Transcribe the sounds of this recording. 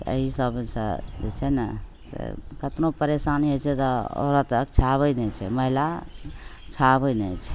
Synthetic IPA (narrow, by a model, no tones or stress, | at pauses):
tt̪ḛɦisəbsə̰d͡ʒḛt͡ʃʰɛnə | sḛkət̪nopəɾesaniɦot͡ʃʰɛt̪ɔo̰ɾət̪ək̚t͡ʃʰabənɛt͡ʃʰɛməɦila | t͡ʃʰabənɛt͡ʃʰɛ̥